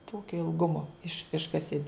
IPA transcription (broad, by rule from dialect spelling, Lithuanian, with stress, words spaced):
ˈtoːkʲoː ɪlˠˈɡʊmoː ɪʃ ˈɪʃkɐsʲɪ